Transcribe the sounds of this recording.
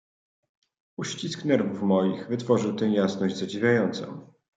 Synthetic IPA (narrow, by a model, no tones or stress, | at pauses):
uɕt͡ɕisknɛɾvufmɔjixvɘt̪fɔʐɘwt̪ɛ̃jasnɔʑd͡ʑzad͡ʑivʲjajɔnt̪sɔ̰̃w̃